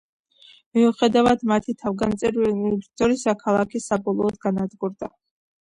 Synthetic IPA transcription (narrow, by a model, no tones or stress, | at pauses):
miuχɛd̪avad̪mat̪ʰit̪ʰavɡant̪sʼɛɾinit̪ʰɔɾisakʰalˠakʰisabɔlˠɔːd̪ɡanad̪ɡuɾd̪a